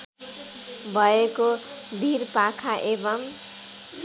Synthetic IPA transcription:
bʱʌeko | bʱirpakʰaʔebʌm

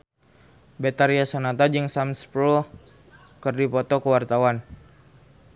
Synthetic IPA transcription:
bɛt̪aɾiasanat̪ad͡ʒəŋsamspɾɔ | kərdipɔt̪ɔkəwart̪awan

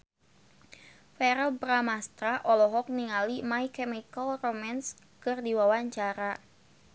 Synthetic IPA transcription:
fɛɾəlbɾamast̪ɾaʔɔlɔɦɔk̚niŋalimaikɛmikəlromans | kɨrdiwawaɲt͡ʃaɾa

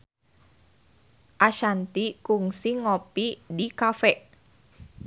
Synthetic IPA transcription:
ʔaʃant̪ikuŋsiŋɔpidikafɛʔ

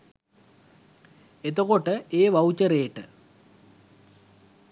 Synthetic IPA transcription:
et̪okoʈəʔeːʋaut͡ɕəɾeːʈə

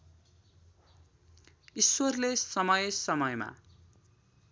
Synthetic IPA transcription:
iswʌrlesʌmʌjsʌmʌjma̰

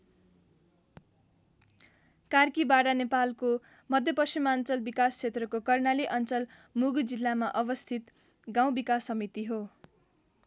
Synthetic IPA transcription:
karkibaɽanepalko | mʌd̪ʱjʌpʌst͡ʃimant͡sʌlbikast͡sʰet̪rʌkokʌrnaliʔʌnt͡sʌl | muɡd͡zilːamaʔʌbʌst̪ʰit̪ | ɡaw̃bikasːʌmit̪iɦo

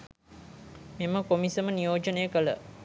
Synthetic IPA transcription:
miməkomisəmənijoːd͡ʒənəjəkələ̰

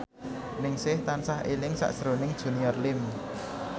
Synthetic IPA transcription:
nɪŋsɪht̪ansahʔelɪŋsa̰ʔd̥ʒ̥ɾonɪŋd̥ʒ̥ṳniɔrlɪm

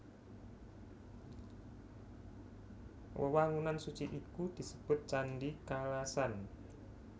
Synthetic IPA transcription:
wʔə̰waŋunansut͡ʃiʔikud̪̥i̤səb̥ʊ̤t̪̚t͡ʃanɖikalasan

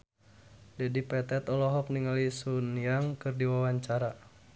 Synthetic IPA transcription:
d͡ʒɛdipɛt̪ɛt̪ɔlɔɦɔk̚niŋalisuniaŋkɨrdiwawaɲt͡ʃaɾa

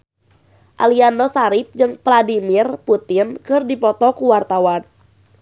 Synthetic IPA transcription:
ʔa̰liandɔsaɾip̚d͡ʒɨŋpladimirput̪ɪnkɨrdipɔt̪ɔkuwart̪awan

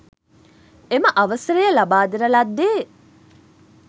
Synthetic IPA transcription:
eməʔɐʋəsɐɾəjəlabaːd̪iɾɐlad̪ːeː

